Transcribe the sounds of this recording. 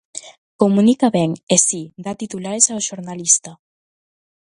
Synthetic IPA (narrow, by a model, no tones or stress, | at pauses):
komunikaβɛŋesid̪at̪it̪ulaɾesaoʃoɾnalist̪a